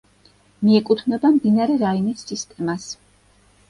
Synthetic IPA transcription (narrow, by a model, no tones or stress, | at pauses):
miɛkʼut̪ʰnɛbamd̪inaɾɛɾainisːist̪ʼɛmas